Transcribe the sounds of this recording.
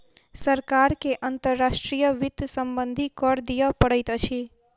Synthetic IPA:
səɾkaɾkeʔənt̪əɾːaʃʈɾijəʋɪt̪səmbə̃nd̪ʱikɔɾd̪ijəpəɽəjt̪ət͡ʃʰi

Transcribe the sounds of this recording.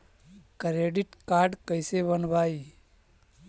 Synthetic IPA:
kɾeɖiʈkaːɾɖkəɪsebənbaːi

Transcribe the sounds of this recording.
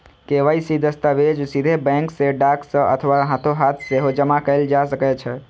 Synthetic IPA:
keʋəjsid̪əst̪aʋed͡ʒsid̪ʱebɛ̃ŋkseɖaksə̃ʔə̰t̪ʰəʋaɦat̪ʰoɦat̪ʰseɦod͡ʒəmakəɪld͡ʒasəkɛt͡ʃʰɛ

